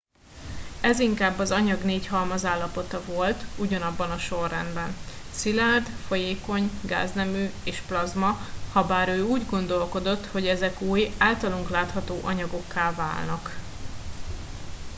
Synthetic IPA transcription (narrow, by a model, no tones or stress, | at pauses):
ɛziŋkaːbːɒzɒɲɒɡneːchɒlmɒzaːlːɒpo̞t̪ɒvo̞lt̪uɟɒnɒbːɒnɒʃo̞rːɛ̰nd̪bɛn | silaːrd̪fo̞jeːko̞ɲɡa̰ːznɛmyːeːʃplɒzmɒhɒbaːɾøːuːɟɡo̞nd̪o̞lko̞d̪o̞t̪ːho̞ɟɛzɛkuːjaːlt̪ɒloŋklaːt̪hɒt̪oːʔɒɲɒɡo̞kːaːlva̰ːlnɒk